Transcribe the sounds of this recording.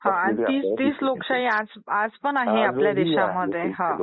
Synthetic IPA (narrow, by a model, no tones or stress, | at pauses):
hãañit̪iːst̪iːslokɕaiad͡zad͡zpənaɦeapljad̪iɕaməd̪ʱːjeɦã